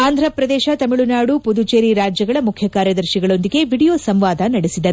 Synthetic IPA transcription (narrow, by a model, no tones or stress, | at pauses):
aːnd̪ʱɾɐpɾɐd̪ɛːʃɐt̪ɐmiɭunaːɽupud̪ut͡ʃeːɾiɾaːd͡ʒjɐɡɐɭɐmukʰjɐkaːɾjɐd̪ɐɾʃiɡɐɭo̞nd̪iɡe̞ʋiɽijo̞ːsɐmʋaːd̪ɐnɐɽesid̪ɐɾu